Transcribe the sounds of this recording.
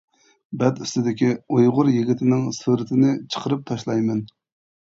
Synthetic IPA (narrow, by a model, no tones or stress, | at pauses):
bɛd̪yst̪ɪd̪ɪkʲiojʁʊɾjiɡʲit̪ʰɪnɪŋsuɾɪt̪ʰɪnɪt͡ʃʰə̥qʰəɾɨp̚t̪ʰɑʃlˠɑjmɛn